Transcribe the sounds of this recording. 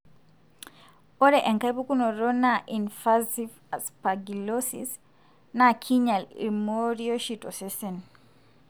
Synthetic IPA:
ɔɾɛʔɛŋkabukunɔɾɔnaʔinfazif | aspaɡilɔsḭs | nakʰiɲalḭmoɾiɔʃitɔsɛsɛn

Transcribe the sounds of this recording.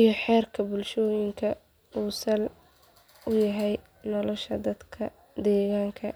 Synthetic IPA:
ijɔħɛːrkʰɐbʊlʃɔːjɪŋkʰɐ | uːsɐl | ʊjɐɦɛj | nɔlɔʃɐd̪ɐd̪kʰɐ | d̪ɛːɣaːŋkʰɐ

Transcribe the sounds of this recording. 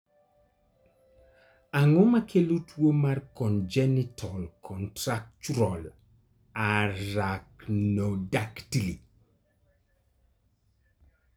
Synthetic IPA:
aŋomakʰelutʰwomarkɔnd͡ʒɛnɪtʰɔlkʰɔntɾak̚t͡ʃuɾɔl | aɾaknodaktili

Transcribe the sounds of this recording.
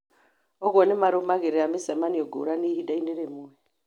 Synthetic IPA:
ɔɣɔnɛmaɾomaɣeɾɛamisamaniɔɡo̰ɾaniidainɛɾemuwɛ

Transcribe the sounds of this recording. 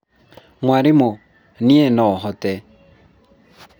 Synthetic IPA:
mwaɾɪmɔ | niɛnɔɦɔtɛ

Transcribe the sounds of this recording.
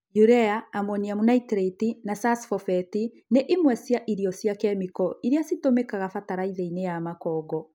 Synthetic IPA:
juɾɛaːmwɔniamunaitɾetinasasfɔfɛti | neʔimwɛsjaʔiɾiɔsjakɛmikɔiɾjasitomekaɣafataɾaiðeinejamakɔːɡɔ

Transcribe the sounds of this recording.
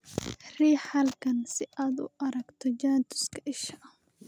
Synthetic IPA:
riːħɐlkʰɐnsɪʔaːd̪ʊ̰ʔɐɾɐɡt̪ʰɔd͡ʒaːnt̪ʰʊ̥skʰɐʔɪʃɐʔɐ

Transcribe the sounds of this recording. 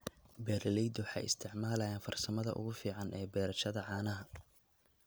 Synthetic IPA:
bɛːɾɐlɛjd̪ʊwħɑ̰jʔɪ̰st̪ʰɪʕmaːlɐjaːnfɐrsɐmɐðɐ̰ʔʊ̰ɣʊfiːʕɑnʔɛːbɛːɾɐʃɐðɐʕɑːnɐɦɐ

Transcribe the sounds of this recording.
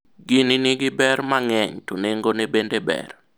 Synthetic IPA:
ɡininiɡɪbɛrmaŋɛɲtuneŋɡonebendebɛ̰r

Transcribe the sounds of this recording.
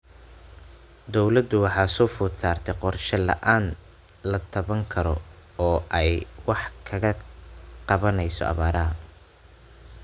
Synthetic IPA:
d̪ɔwlɐd̪ʊwɑħɑːsɔːfʊːt̪saːrt̪ʰɛqɔrʃɐlɐ̰ʔaːn | lɐt̪ʰɐβɐŋkʰɐɾɔɔːʔɛjwɑħkʰɐɣɐqɑβɐnɛjsɔ̰ʔɑ̰βaːɾɐɦɐ

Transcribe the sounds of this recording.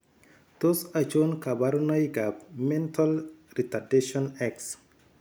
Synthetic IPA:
d̪̥osat͡ʃonkabaɾunajɡabmɛntʰalɾitadeʃɔnɛks

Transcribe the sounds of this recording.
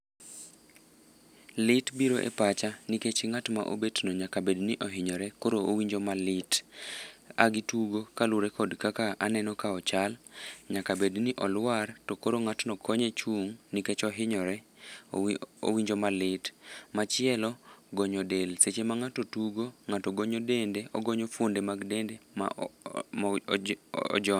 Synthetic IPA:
lɪtbiɾoʔḛpat͡ʃaniket͡ʃɪŋatma̰ʔo̰betnoɲakabedniʔɔɦɪɲɔɾɛkoɾoowiɲd͡ʒomalɪt | a̰ɡituɡokaluɾɛkɔdkakaanɛnɔkaɔt͡ʃalɲakabedniʔɔlwartɔkoɾoŋatnɔkʰɔɲet͡ʃuŋniket͡ʃɔɦɪɲɔɾɛ | o̰wiɲd͡ʒomalɪtmat͡ʃɪɛlɔɡɔɲɔdelset͡ʃemaŋatotuɡoŋatɔɡoɲodendeɔɡoɲofwondemaɡdendem̰ | ɔ̰d͡ʒɔn

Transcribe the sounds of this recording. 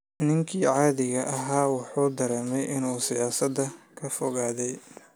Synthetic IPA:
nɪŋkʰiːʕɑːðɪɣɐʔɐɦaːwɑħuːd̪ɐɾɛːmɛjʔɪnuːsɪjaːsɐd̪ɐkʰɐfɔɣaːðɛj

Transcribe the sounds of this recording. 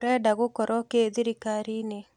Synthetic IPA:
ɾɛdaɣʊkɔɾʔɔkeðiɾikaɾine

